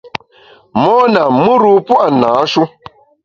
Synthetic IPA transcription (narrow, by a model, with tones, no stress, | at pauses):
mɔ˦na˨mɨ˦ɾu˦pu˦ʔa˨na˨˦ʃu˦